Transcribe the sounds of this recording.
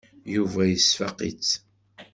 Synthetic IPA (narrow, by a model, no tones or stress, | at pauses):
juvæjəsfɑqḭt͡s